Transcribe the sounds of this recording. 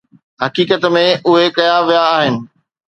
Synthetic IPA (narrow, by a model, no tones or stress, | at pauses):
ɦɐkiːkət̪mẽʔʊɦekɐjaʋijaːɦɪnɪ̆